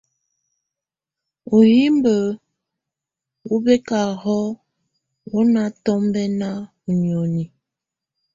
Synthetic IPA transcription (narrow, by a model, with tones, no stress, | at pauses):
o˨ji˦mbə˨ | wu˦bɛ˦ka˨hɔ˦ | wo˦na˦tɔ˦mbɛ˦na˦ | u˨njo˨ni˨